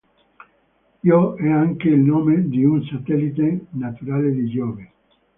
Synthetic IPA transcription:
ioɛaŋkeilnoːmed̪iunsat̪ɛlit̪̬enat̪uɾaled̪id͡ʒɔːve

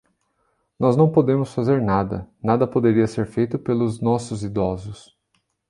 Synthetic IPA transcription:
nɔznɐ̃w̃pod̪ẽmʊsfazeɾnad̪ɐ̰nad̪ɐpod̪eɾiɐseɾfejt̪ʊpelʊznɔsʊzid̪ɔzʊs

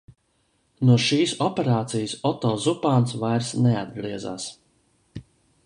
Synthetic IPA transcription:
nuɔʃiːsɔpʲeɾaːt̪sijsɔt̪ɔːzupaːnsvajɾsnead̪̚ɡɾiɛza̰ːs

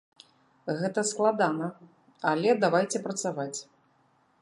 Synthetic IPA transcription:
ɣɛt̪ɐsklˠad̪anɐ | alʲɛd̪avajt͡sʲɛpɾɐt̪savat͡sʲ

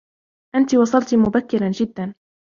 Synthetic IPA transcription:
ʔant̪iwɑsˤɑlt̪mʊbakːɪɾand͡ʒɪd̪ːan

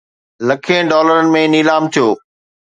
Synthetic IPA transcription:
lɐkʰiə̃ɖɔːləɾənɪ̆mẽniːlaːmt̪ʰijoː

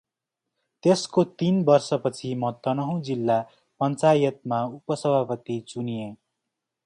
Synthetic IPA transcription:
t̪eskot̪inbʌrsʌpʌt͡sʰimʌt̪ʌnʌɦõd͡zilːa | pʌnt͡sajʌt̪̚maupʌsʌbʱapʌt̪it͡sunije

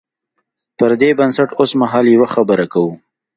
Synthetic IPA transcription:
pəɾd̪ebansaʈosmaɦɑljewaxabəɾakawu

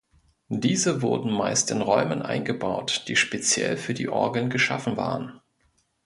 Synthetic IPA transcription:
diːzəvʊɐdn̩maɪstɪnʁɔʏmənʔa̰ɪnɡəbaʊtd̥iːʃpet͡sjɛ̰lfyːɐdḭːʔɔɐɡl̩nɡəʃa̰fn̩va̰ːʁən

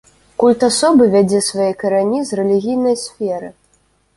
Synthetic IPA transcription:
kulʲt̪asɔbɨvʲad͡zʲɛsvajɛkɐɾanʲizrɛlʲiɣʲijnɐjsʲfʲɛɾɨ

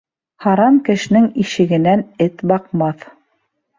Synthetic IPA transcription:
hɑɾɑmkɘ̆ʃɘ̆nɘŋiʃɘ̆ɡɘ̆nænɘt̪bɑqmɑθ

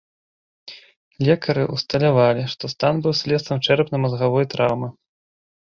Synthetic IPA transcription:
lʲɛkɐɾɨʔust̪ɐlʲavalʲiʂt̪ɔst̪anbɨwsʲlʲɛst̪ɐmt͡ʂɛɾpnɨmɐzɣavɔjt̪ɾawmɨ

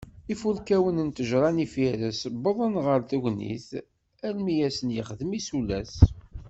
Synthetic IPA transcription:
ifuɾkæwənənt̪əʒɾˤɑnifiɾəsbəðˤənʁəɾθæʝnḭθ | ælmijæsənjɪχəðəmisulæs

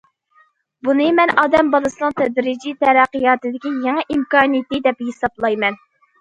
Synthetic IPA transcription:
bunɨmɛnɑːd̪ɛmbɑlˠɨsɨnɨŋt̪ʰɛd̪ɾɪd͡ʒit̪ɛɾæqːijɑːt̪ɨd̪ɪkʲijeŋɨʔimkɑːnijet̪ɪd̪ɛpjesɑblˠɑjmɛn

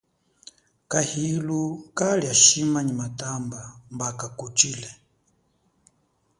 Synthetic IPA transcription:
kahilukaliaʃimaɲimatambambakakut͡ʃilɛ

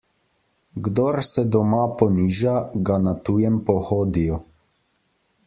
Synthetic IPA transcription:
ɡd̪ɔɾsɛd̪ɔmapɔniːʒaɡanat̪ujɛmpɔxoːd̪ijɔ

